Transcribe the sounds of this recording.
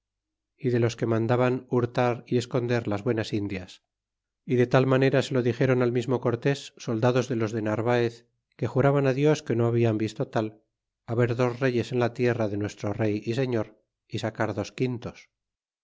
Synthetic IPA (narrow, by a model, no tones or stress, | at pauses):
iðe̞lo̞ske̞mãnd̪aβanuɾt̪aɾie̞sko̞nd̪e̞ɾlazβwe̞nasind̪jas | iðe̞t̪almane̞ɾase̞lo̞ðixe̞ɾo̞nalmizmo̞ko̞ɾt̪e̞sːo̞ld̪aðo̞zðe̞lo̞zðe̞naɾβ̞aeθ | ke̞xuɾaβanaðjo̞ske̞noaβ̞iambist̪o̞t̪al | aβe̞ɾðo̞zre̞ʝe̞se̞nlat̪je̞raðe̞nwe̞st̪ɾo̞re̞jise̞ɲo̞ɾ | isakaɾðo̞skint̪o̞s